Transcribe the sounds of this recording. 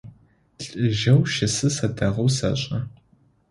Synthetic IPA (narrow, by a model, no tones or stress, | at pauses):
ɬʼɨʒɐwʃɐsɨsɐdɐʁɐwsɐ̰ɕʼɐ